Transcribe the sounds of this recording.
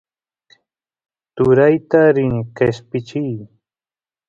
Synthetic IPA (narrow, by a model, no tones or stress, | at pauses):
t̪ʊɾajt̪aɾɪnqespɪt͡ʃij